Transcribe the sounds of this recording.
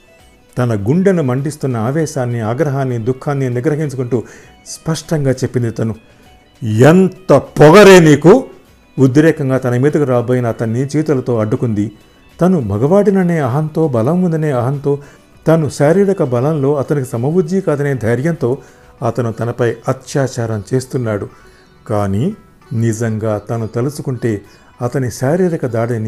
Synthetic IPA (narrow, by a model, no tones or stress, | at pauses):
t̪ɐnɐɡuɳɖɐnumɐɳɖist̪unːɐaːʋɛːʃaːnːiaːɡɾɐɦaːnːid̪ukʰːaːnːiniɡɾɐɦiɲt͡ʃukuɳʈuː | spɐʂʈɐŋɡaːt͡ʃe̞pːind̪it̪ɐnu | ent̪ɐpɔɡɐɾeːniːku | ud̪ɾɛːkɐŋɡaːt̪ɐnɐmiːd̪ɐkuɾaːboːjinɐːt̪ɐnːit͡ʃiːt̪ɐlɐt̪o̞ːɐɖːukund̪i | t̪ɐnubʱɐɡɐʋaːɽinɐneːɐɦɐnt̪o̞ːbɐlɐmːund̪ɐne̞ːɐɦɐnt̪o̞ː | t̪ɐnuʃaːɾiːɽɐkɐbɐlɐmlo̞ːɐt̪ɐnikisɐmɐʋud͡ʒ̪ːikaːd̪ɐneːd̪ʱɐjɾjɐnt̪o̞ː | ɐt̪ɐnut̪ɐnɐpɐjɐt̪ʃaːt͡ʃaːɾɐmt͡ʃe̞ːst̪unːaːɽu | kaːniː | nizɐŋɡaːt̪ɐnut̪ɐlusukuɳʈe̞ː | ɐt̪ɐnisaːɾiːɾɐkɐd̪aːɽɐni